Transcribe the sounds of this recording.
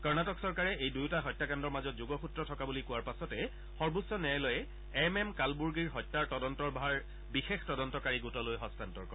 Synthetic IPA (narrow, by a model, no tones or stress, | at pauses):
kɔɹnatɔksɔɹkaɹɛejdujtaɦɔjtːakandɔɹmazɔtzuɡɔxutɹɔtʰɔkabulikʊwaɹpasɔtɛ | xɔɹbusːɔnɛɛlɔjɛ | ɛmɛmkalbuɹɡiɹɦɔjtːaɹtɔdɔntɔɹbʱaɹ | bixextɔdɔntɔkaɹiɡutɔlojɦɔstantɔɹkɔ